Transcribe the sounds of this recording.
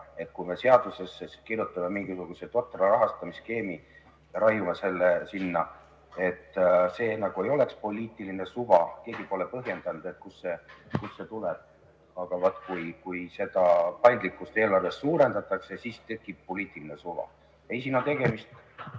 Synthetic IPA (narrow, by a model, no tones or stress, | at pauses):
e̞t̪̚kujme̞se̞ɑd̪̥use̞seskirjut̪ːˑɑmemiŋɡ̥isuɡ̥use̞t̪o̞t̪ːˑrɑɾɑɦɑst̪ɑmiske̞ːmi | ɾɑjumese̞lːesinːɑ | e̞t̪ːse̞ːnɑɡ̥ue̞jo̞le̞kspo̞lʲiːt̪ːˑiline̞suvɑke̞ːɡ̥ipo̞le̞pɤɦje̞nd̪̥ɑnud̪̥e̞t̪̚kusːe̞kusːe̞t̪uleb̥̚ | ɑɡ̥ɑvot̪ːˑkujkujse̞d̪̥ɑpɑjnd̪likːˑust̪e̞ːlɑrve̞sːuːɾe̞nd̪ɑt̪ːˑɑkse̞siːst̪e̞kˑːib̥̚po̞lʲiːt̪ˑiline̞suvɑ̰ | e̞jsiːnɑt̪e̞ɡ̥e̞mist̪